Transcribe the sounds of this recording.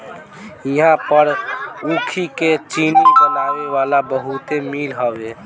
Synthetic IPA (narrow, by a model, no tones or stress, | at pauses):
iɦãpəɾũkʰiket͡ʃinibənaweʋalabəɦut̪emilɦəbe